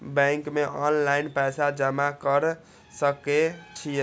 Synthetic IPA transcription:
bɛ̃ŋkmeʔɔnlainpɛsad͡ʒəmakəɾ | səket͡ʃʰijə

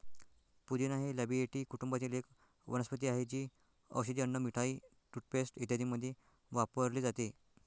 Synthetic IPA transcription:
pud͡ʑinaɦeləbieʈiːkuʈumbat̪iːlek | ʋə̰nəspət̪̬iːaɦet͡ɕiː | ə̰wɕəd̪iənːəmiʈʰai | ʈuʈ̚pesʈit̪jad̪iːməd̪ʱːje | ʋapəɾliːd͡zat̪e

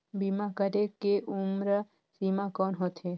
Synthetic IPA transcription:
bimakəɾekeʔumɾə | simakɔːnɦot̪ʰe

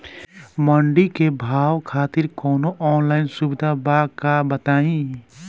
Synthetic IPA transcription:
məɳɖikebʱaːwkʰaːt̪ɪɾkɔːnoʔɔːnlaːɪnsubɪd̪ʱabaːkabɐt̪aːĩ

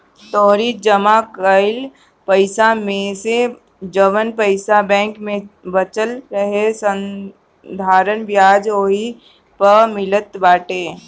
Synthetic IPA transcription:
t̪ɔːɾid͡ʒəmakəɪl | pəɪsamẽse | d͡ʒəʋənpəɪsabɛ̃ːŋkmẽbət͡ʃəlɾəɦesə̃n | d̪ʱaːɾənbjaːd͡ʒoːi | pəmɪlət̪baːʈeː

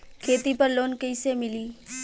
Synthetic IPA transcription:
kʰeːt̪ipɐɾloːnkəɪsemɪliː

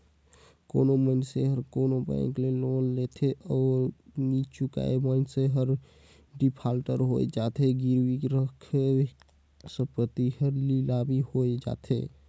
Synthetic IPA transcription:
ko̰nomənseɦəɾkonobɛ̰̃ŋklelonlet̪ʰeɔːɾnit͡ʃuka̰emənseɦəɾ | ɖipʰalʈəɾɦo̰ḛd͡ʒat̪ʰeɡiɾwikɾəkʰe | sə̃pɾət̪ihəɾlilabʱihoed͡ʒa̰t̪ʰḛ

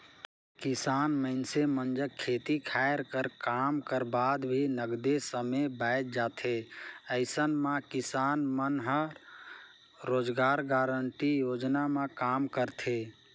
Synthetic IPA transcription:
kɪsaːnməɪnsemənd͡ʒəkʰːet̪ikʰaeɾkəɾkamkəɾbad̪bʱinəɡd̪esəmebaɪt̪̚d͡ʒaːt̪ʰeəɪsənmãkɪsanmənɦə | ɾoːd͡ʒɡaːɾɡaːɾəɳʈijod͡ʒnamãkaːmkəɾt̪ʰe

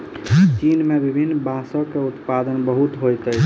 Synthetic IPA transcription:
t͡ʃinmebibʱinːbãsɔkeut̪pad̪ənbəɦut̪ɦojt̪əjʰ

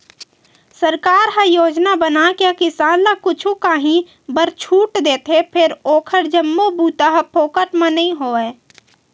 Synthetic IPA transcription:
səɾkaːɾɦə̃joːd͡ʒnabənakakɪsaːnlakʊt͡ʃʰukaːɦĩ | bəɾt͡ʃʰuːʈd̪eːt̪ʰepʰɪɾoːkʰəɾd͡ʒəmːobuːt̪aɦpʰoːkəʈmə̃nəɦĩɦoːɛː

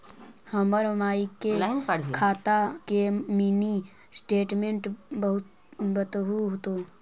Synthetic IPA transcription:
həməɾmaːikeakʰaːt̪akemiːni | sʈeːʈmẽɳʈbəɦʊt̪ | bət̪ɦuɦot̪o

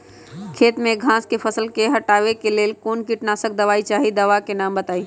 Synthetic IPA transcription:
kʰeːt̪mẽɡʱãːskepʰəsəlkeɦəʈaːʋekeleːlkoːnkiʈnasək̚d̪əʋaːit͡ʃaːɦid̪əʋakenaːmbət̪aːi

